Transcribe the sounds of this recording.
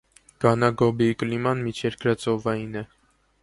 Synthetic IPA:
ɡ̥ɑnɑɡɔbikəlimɑnmit͡ʃʰɛɾkʰɾɑt͡sɔvɑjinɛ

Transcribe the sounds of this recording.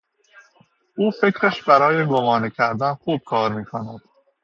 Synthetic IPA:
ʔuːfe̞cɾeʃbæɾɒːjeɡo̞mɒːnecʰæɾd̪ænxuːb̥̚kʰɒːɾmiːkʰonæd̪̥

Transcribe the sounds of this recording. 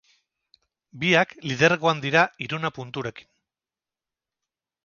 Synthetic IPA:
biaklið̞e̞ɾɣoand̪iɾaiɾunapunt̪uɾe̞ki̥n

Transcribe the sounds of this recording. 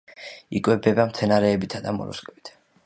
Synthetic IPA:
ikʼwɛbɛbamt̪sʰɛnaɾɛːbit̪ʰad̪amɔ̰ɾṵskʼɛbit̪ʰ

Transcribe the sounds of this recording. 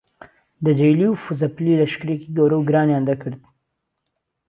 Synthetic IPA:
d̪əd͡ʒajliufuzaplilaʃkɾekiɡawɾawɡɾɑneand̪akəɽd̪

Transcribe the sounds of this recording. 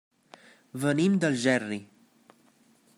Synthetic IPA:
vənimd̪əlˠʒɛri

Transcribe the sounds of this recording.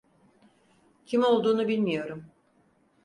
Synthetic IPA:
cʰimo̞lˠd̪uːnubilʲmijo̞ɾum

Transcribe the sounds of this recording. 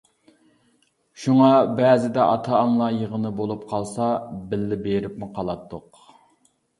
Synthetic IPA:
ʃuŋɑbɛːzɪd̪ɛʔɑ̰t̪ʰɑːmlˠɑjəʁənɨbolˠup̚qʰɑlˠsɑbɪlːɪbeɾɪpmɪqʰɑlˠɑt̪ʰːʊq

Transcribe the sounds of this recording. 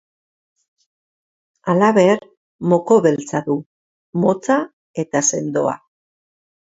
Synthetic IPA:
alaβe̞ɾ | mo̞ko̞βe̞lt͡saðu | mo̞t͡sa | e̞t̪ase̞nd̪o̞a̰

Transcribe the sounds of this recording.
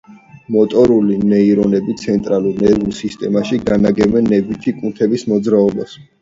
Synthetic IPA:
mɔt̪ʼɔɾulinɛiɾɔnɛbit̪sʰɛnt̪ʼɾaluɾnɛvusist̪ʼɛmaʃiɡanaɡɛmɛnːɛvit̪ʰikʼunt̪ʰɛbismɔd̪zɾaɔbas

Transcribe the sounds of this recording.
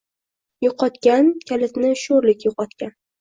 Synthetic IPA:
jʊqʰɒt̪kʲankʲʰalɪt̪nɪʃoɾlɪkʲjʊqɒt̪kʲan

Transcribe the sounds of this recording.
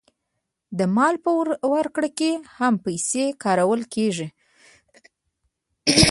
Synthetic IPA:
d̪əmɑlpəwaɾkɽakehampajsekɑɾawəlkeʐi

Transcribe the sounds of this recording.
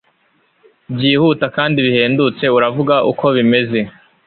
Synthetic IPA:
bjɟiːhuːtakaːndiβihe̞ːndut͡se̞uɾavuɡaʔṵkʰo̞βime̞ze̞

